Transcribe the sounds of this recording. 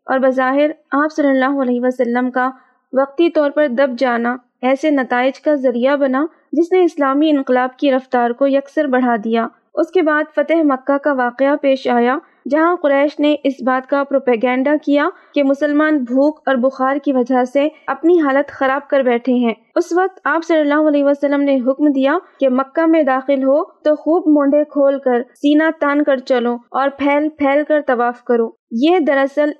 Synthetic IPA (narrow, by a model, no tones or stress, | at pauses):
ɔ̰ːɾbɐzaːɦɪɾaːpsɐlːəlːaːɦoɐlɛːɦiʋasɐlːəmka | ʋɐq̚t̪it̪ɔːɾpɐɾd̪ɐb̚d͡ʒaːna | ɛːsenɐt̪aːɪd͡ʒkazɐɾijabɐna | d͡ʒɪsneɪslaːmiɪ̃nqɪlaːbkiɾɐft̪aːɾkojɐksəɾbɐɽ̤ad̪ijaː | ʊskebaːd̪fɐt̪əɦmɐkːakaʋaːqeapeːʃaːja | d͡ʒɐɦãqʊɾɛːʃneʔɪsbaːt̪kapɾoːpɛːɡɛ̃ːɳɖakija | kemʊsəlmaːnbʱuːkɔːɾbʊxaːɾkiʋɐd͡ʒaseɐpniɦaːlət̪xɐɾaːb̚kɐɾbɛːʈʰeɦɛ̃ː | ʊsʋɐq̚t̪aːpsɐlːəlːaːɦoɐlɛːɦʋasəlːəmneɦʊkmd̪ijakemɐkːamẽd̪aːxɪlɦot̪oxuːbmõːɳɖekʰoːlkɐɾsiːnat̪ɐnkɐɾt͡ʃɐloːɔːɾpʰɛːlpʰɛːlkɐɾt̪ɐʋaːfkɐɾoː | jed̪ɐɾɐsəl